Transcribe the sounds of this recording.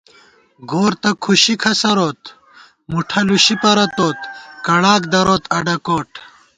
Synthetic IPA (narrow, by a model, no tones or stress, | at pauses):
ɡoːɾt̪ɐkʰuɕikʰɐsɐɾoːt̪ | muʈʰɐluɕipɐɾɐt̪oːt̪kɐɽaːkd̪ɐɾoːt̪ɐɖɐkoːʈ